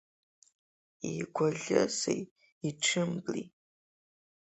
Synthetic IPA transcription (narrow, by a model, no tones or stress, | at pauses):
iɡʷɔɮɨ̰sḛj | iʈ͡ʂʰɨmbli